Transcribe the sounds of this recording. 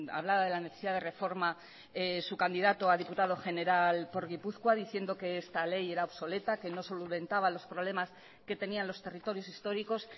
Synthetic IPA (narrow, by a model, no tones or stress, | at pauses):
a̰βlaβaðe̞lane̞θesiðaðe̞re̞fo̞ɾma | esukand̪iðat̪oaðiput̪aðo̞xe̞ne̞ɾalpo̞ɾɣipuθkwaðiθje̞nd̪o̞ke̞est̪ale̞je̞ɾaoβso̞le̞t̪ake̞no̞so̞luβe̞nt̪aβalo̞spɾo̞β̞le̞mas | ke̞t̪e̞nianlo̞st̪e̞rit̪o̞ɾjo̞sist̪o̞ɾiko̞s